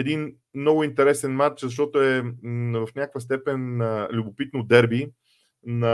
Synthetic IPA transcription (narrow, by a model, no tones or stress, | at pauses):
ɛd̪in | mnɔɡʊint̪ɛɾɛsɛnmat͡ʃzɐʃ̬t̪ɔt̪ʊɛvəfnʲakəkvəst̪ɛpɛnlʲʊbopit̪nod̪ɛɾbi | nɐ